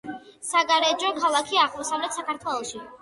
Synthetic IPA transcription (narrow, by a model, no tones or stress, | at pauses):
saɡaɾɛd͡ʒɔkʰalˠakʰiaʁmɔsavlɛt̪ʰsakaɾt̪ʰwɛlˠɔʃi